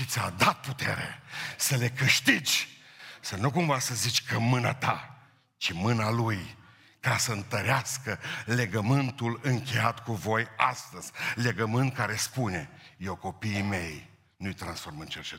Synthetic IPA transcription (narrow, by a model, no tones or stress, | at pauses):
ʃit̪sʲad̪at̪̚put̪eɾḛsəle̞kɨʃt̪id͡ʒʲ | sənukumvasəzit͡ʃʲkəmɨnat̪a | t͡ʃimɨnaluj | kasəɨnt̪əɾeaskəle̞ɡəmɨnt̪ulɨŋkʲe̞jat̪kuvo̞jast̪əz̥ʲle̞ɡəmɨnt̪̚kaɾe̞spune̞jewko̞piːme̞j | nujt̪ɾansformɨnt͡ʃert͡ʃe